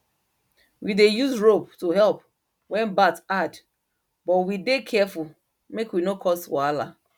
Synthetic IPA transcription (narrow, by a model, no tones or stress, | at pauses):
widejuzɹoptoɦɛlp | wɛ̃nbatad | bɔtwidekʰɛfu | mekwinokʰɔstwɔala